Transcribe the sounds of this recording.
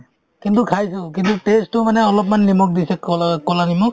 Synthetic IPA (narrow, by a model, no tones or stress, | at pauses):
kintukʰajsʊk̬intutestʊmanɛɔlɔp̬manlimɔk̚disɛkkɔlanimɔk